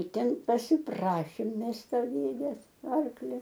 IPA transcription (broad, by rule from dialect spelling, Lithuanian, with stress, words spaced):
ɪr ˈtʲɛn pɐsʲɪˈprɑːʃʲeːm ˈmʲɛs ˈtoː ˈdʲeːdʲeːs ˈɐrklʲoː